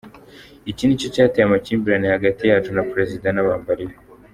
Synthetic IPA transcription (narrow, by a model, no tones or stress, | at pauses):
iciːndicocaːtejamaciːmbiɾanehaɡatijaːt͡ʃunapɾe̞zidanaβaːmbaɾeje